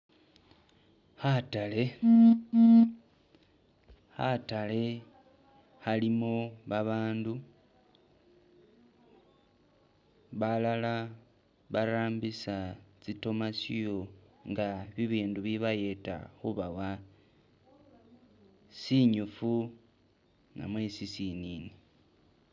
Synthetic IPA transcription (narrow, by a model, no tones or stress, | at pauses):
hatale̞ | xa̰tale̞ | xalimoβaβaːndu | βalala | βaɾaːmbisat͡sito̞masijo̞ŋɡaβiβiːnduβiβaje̞ta̰xuβawa | siɲufu | na̰mwe̞sisinini